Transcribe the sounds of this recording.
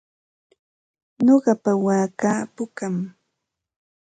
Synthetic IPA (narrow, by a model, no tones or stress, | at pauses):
ɲoɢɑpawaːkaːpʊkam